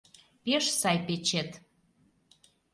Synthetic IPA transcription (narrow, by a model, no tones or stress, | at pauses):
peʃsɑjpet͡ɕet̪